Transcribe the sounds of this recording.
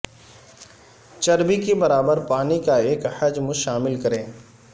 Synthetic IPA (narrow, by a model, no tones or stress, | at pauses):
t͡ʃɐɾbikebɐɾaːbəɾpaːnikaeːkhɐd͡ʒmʊʃaːmɪlkɐɾẽː